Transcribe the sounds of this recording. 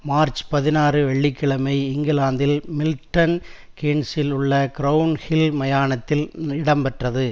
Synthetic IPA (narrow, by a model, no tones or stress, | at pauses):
maːɾt͡ʃpɐðɪnaːrɯʋɛɭːɪkːɪɭɐmɐɪɪŋɡɪlaːnd̪ɪlmɪlʈːɐn | keːnsɪlʊɭːɐkɪɾɐʋnhɪlmɐjaːnɐt̪ːɪlɪɽɐmpɐʈrɐðɯ